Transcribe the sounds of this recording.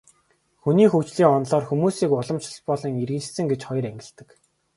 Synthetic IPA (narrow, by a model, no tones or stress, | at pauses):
xuniːxuwt͡ɕɮiːŋɔnɮɔːrxumuːsiːkʊɮɞ̆mt͡ɕʰə̆ɮpɔɮɞ̆ŋirɣɘ̆t͡ɕsɘ̆ŋɡet͡ɕχɔjɞ̆ɾæŋɡʲɪ̆ɮt̪ɘ̆k